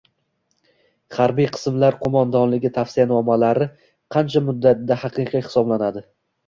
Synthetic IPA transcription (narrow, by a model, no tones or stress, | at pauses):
χaɾbijqʰɨ̥smlaɾqʰomand̪ɒnlɪɡʲɪt̪ʰafsijanɒmalaɾɪ | qʰɑnt͡ʃʰamʊd̪ːat̪̚d̪ahɑqɨqijhɪ̥sɒblanad̪ɪ